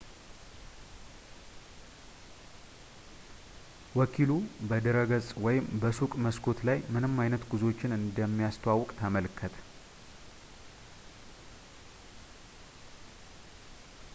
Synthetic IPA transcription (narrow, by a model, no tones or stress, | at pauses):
wɔkʰilubəd̪əɾəɡəsʼwɔjɪmbəsukʼməskʰo̞t̪lajmɨnɨmːajnət̪ɡuzo̞t͡ʃːɪnɨnd̪əmːijast̪ʰəwawɔkʼt̪ʰəməlkʰːət̪ʰ